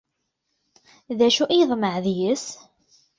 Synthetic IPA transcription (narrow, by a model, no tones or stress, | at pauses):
ðæʃuʔijðˤməʕðjəs